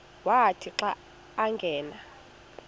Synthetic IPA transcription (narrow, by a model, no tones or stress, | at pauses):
waɦatʰiǁaː | ŋɡʱɛːna